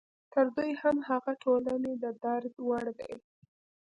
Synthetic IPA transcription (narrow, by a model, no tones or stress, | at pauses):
t̪əɾd̪ujhamhaɣaʈʰolaned̪əd̪aɾd̪waɽd̪a̰j